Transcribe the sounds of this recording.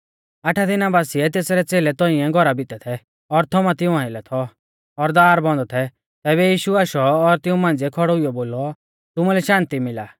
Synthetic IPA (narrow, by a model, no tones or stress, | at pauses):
ɐʈʰad̪ɪnabaːsiɛt̪eːsɾɛt͡seːlɛt̪ɔĩɛ̃ɡʱɔɾabɪt̪ɛt̪ʰɛ | ɔɾt̪ʰɔmãt̪ɪũãːɪlɛt̪ʰɔ | ɔɾd̪aːɾbɔ̃nd̪ɔt̪ʰɛ | t̪ɛːβɛjiːʃuaʃɔːɾt̪ɪũmãːnd͡zɛkʰɔɽɔʊɪjɔboːlɔ | t̪ʊmulɛʃãːnt̪imɪlaː